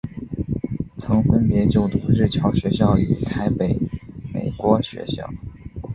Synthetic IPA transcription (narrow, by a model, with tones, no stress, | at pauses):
t͡sʰɤ˧˥ŋfə˥npjɛ˧˥t͡ɕjo˥˩ʊt̪u˧˥ɻɻ̩˥˩t͡ɕʰjɑ˧˥ʊɕɥɛ˧˥ɕjɑ˥˩ʊy̰˨˩t̪ʰa˥ɪpe˨˩ɪmḛ˨˩ɪkwɔ˧˥ɕɥɛ̰˧˥ɕjɑ̰˥˩ʊ